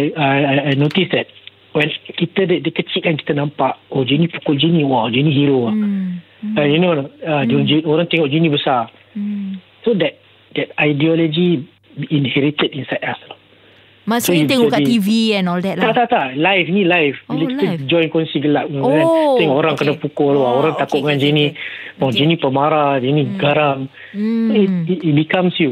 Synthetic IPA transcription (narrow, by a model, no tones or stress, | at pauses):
ajaaajnot̪isdɛt̚ | wɛ̃nkit̪ədədəkət͡ʃiʔ̚anki̥t̪ənãmpaʔod͡ʒenĩpu̥koʔd͡ʒinĩwad͡ʒeniɦiɾoa | ajunonoadod͡ʒoɾãŋt̪ɛŋɔʔd͡ʒinĩbəsa | sodɛt̚ | dɛt̚ajdiɔlod͡ʒi | biʔːnhɛɾit̪ədĩnsajdaslo | sojut̪kitiviɛ̃nɔldɛat̪at̪aʔlajfnilajfiliksud͡ʒɔ̃jnkɔnsiɡəlap̚ãt̪eŋɔʔoɾaŋkənapukɔlowaoɾaŋt̪akɔʔŋãnd͡ʒənimãd͡ʒinipəmaɾad͡ʒənĩɡaɾaŋ | siiit̚bikamsju